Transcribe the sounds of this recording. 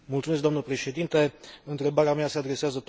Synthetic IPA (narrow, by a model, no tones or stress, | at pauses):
multsumes̬k̚d̪oamnəpɾe̞ʃe̞d̪int̪e̞ɨnt̪ɾe̞baɾeameasead̪ɾe̞seazət̪